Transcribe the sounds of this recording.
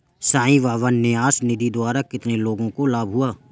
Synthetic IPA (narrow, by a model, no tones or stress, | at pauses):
sãːĩʋaːʋanːɪaːsnɪd̪id̪waːɾakɪt̪neloːɡõkolaːbɦʊaː